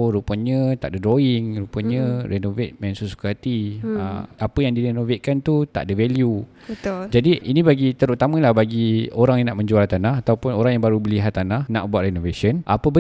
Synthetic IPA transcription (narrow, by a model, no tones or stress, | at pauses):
ɾupənɲə̃t̪a̰ʔdədɾoɪŋɾupəɲə̃ɾenovet̪̚mɛ̃nsusu̥kat̪iə̰apəjaŋdiɾenovet̪̚kant̪ut̪a̰ʔdəvɛlju | bət̪ʊld͡ʒadiinĩbaɡit̪əɾut̪amə̃lahbaɡioɾaŋjaŋnaʔmə̃ɲd͡ʒualt̪anaɦat̪awpʊnoɾaŋjaŋbaɾubəliɦat̪ːanahnaʔbuat̪ʔ̚renoveʃənʔa̰pəbə